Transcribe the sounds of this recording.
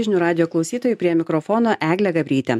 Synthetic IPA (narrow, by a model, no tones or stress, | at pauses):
ʒʲɪnʲuːɾɑːd̪ʲɪjoːklˠɒʊsʲiːt̪oːjuˑpʲɾʲiɛmʲɪkɾɔfɔːnoːʔæːɡlʲɛɡɐbʲɾʲiːt̪ʲɛ